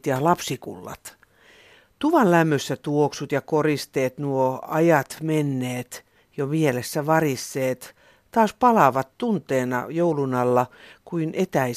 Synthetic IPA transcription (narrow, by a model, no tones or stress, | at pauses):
t̪jɑlɑpsikṵlːɑ̰t̪ | t̪uʋɑllæmːøsːæt̪uoksut̪jɑkorist̪eːt̪nuoɑjɑt̪menːeːt̪ | jomielesːæʋɑrisːeːt̪ | t̪ɑːspɑlɑʋɑt̪t̪unt̪eːnɑ̰joulunɑlːɑkuinet̪æi